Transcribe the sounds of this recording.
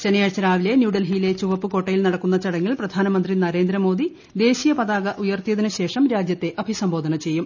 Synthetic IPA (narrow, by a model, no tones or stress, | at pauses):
t͡ɕenɐjaːt͡ɕːɐɾaːʋile̞njuːɽɐlɦiːile̞t͡ɕuʋɐpːɨko̞ːʈːɐjilnɐɽɐkːunːɐt͡ɕɐɽɐŋːilprɐd̪ʱaːnɐmɐnd̪rinɐɾe̞ːnd̪ɾɐmo̞ːd̪i | d̪e̞ːɕijɐpɐðaːɡɐʔujɐrt̪ijɐðinɨɕe̞ːʂɐmɾaːd͡ʑjɐt̪ːe̞ʔɐbʱisɐmbo̞ːd̪ʱɐɳɐt͡ɕe̞jːum